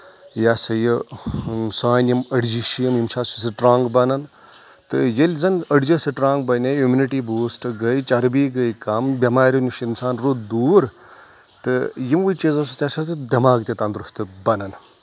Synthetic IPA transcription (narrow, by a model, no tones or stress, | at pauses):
jasɐjɨ | saːnimɐɽd͡ʒiʃijɐmjimt͡ʃʰaːsisɨʈɾaːŋɡbɐnɐn | t̪ɨjelʲzɐnɐɽd͡ʒɐsɨʈɾaːŋɡbɐnʲejumʲiniʈiboːsʈɨɡɐjt͡ʃɐɾbiɡɐjkɐmbʲɐmaːɾʲiniʃinsaːnɾud̪uːɾ | t̪ɨjimwujt͡ʃiːzɐsɨt̪ʲasɐt̪ɨd̪ʲɐmaːɡ̚t̪ʲet̪ɐnd̪ɾust̪ɨbɐnɐn